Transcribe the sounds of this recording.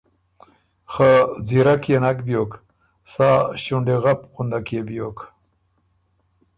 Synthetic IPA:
xaziɾakjenakbjoːk | saːɕuɳɖeɣapqund̪akjebjoːk

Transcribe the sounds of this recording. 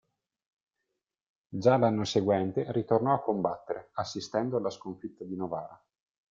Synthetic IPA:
d͡ʒalanːoseɡwɛnt̪eɾit̪ornɔakːombat̪ːeɾḛasːist̪ɛnd̪oalːaskoɱfit̪ːad̪inovaːɾa

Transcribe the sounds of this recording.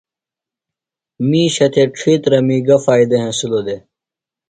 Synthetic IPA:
miːɕɐt̪ʰeʈ͡ʂʰit̪ɾɐmiːɡɐfaːid̪ɐɦẽsulod̪e

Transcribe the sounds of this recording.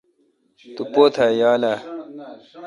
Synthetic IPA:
t̪upoːt̪ʰajaːla

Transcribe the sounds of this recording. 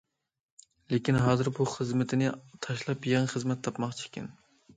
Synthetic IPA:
lekʲinɦɑːzɨɾbuχəzmɪt̪ʰɪnɪt̪ʰɑʃlˠɑpjɛŋχəzmɛt̪ʰːɑpmɑχt͡ʃʰi̥kʲɪ̰n

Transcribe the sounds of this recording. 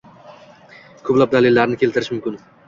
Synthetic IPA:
kʰɵplap̚d̪alɪlːaɾnɪkʰʲe̞lt̪ʰɪɾɪʃmʊmkʲɪn

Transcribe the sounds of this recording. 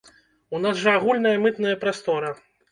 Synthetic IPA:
unazʐɐaɣulʲnɐjɐmɨt̪nɐjɐpɾast̪ɔɾɐ

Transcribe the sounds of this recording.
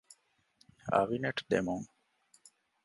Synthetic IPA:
ɐ̰ʋineʈd̪emuŋ

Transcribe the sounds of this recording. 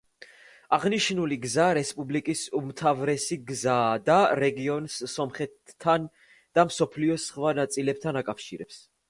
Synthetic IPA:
aʁniʃnuliɡzaɾɛspʼublikʼisumt̪ʰavɾɛsiɡzaːd̪aɾɛɡiɔnsːɔmχɛt̪ʰːan | d̪̥amsɔpʰliɔsχwanat̪sʼilɛp̚t̪ʰanakʼafʃiɾɛps

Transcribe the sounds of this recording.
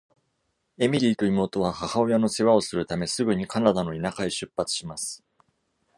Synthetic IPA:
e̞mʲiɾʲiːt̪o̞imo̞ːt̪o̞βahahao̞jano̞seβao̞sɨɾɯ̟t̪ame̞sɨɡɯ̟ɲ̟ikʰanad̪ano̞inakaiɕɨpːat͡sɨ̥ɕimasɨ̥

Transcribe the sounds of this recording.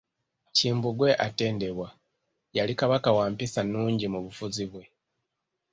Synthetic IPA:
ciːmbuɡwe̞ʔate̞ːnde̞βwa | jalikaβakawaːmpisanuːɲɟimuβufuziβwe̞

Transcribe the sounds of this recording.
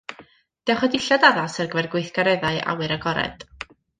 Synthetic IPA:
d̥ɛwχɔdɪɬadaðasərɡəvɛrɡwejθɡ̥aɾɛðaɨʔa̰wɨɾəɡɔɾɛ̰d̥

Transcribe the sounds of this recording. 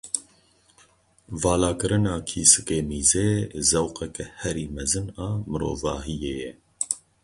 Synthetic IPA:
vɑːlaːkɨɾɨnɑːkʰiːsɨkeːmiːzeːzɛwqɛkɛhɛɾiːmɛzɨnɑːmɨɾo̰ːvɑːɦijeːjɛ

